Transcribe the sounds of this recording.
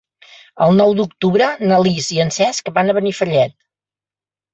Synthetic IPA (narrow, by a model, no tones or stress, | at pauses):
əlˠnɔwd̪uk̚t̪uβɾənəliziənsɛskəbanəβənifəʎɛt̪̚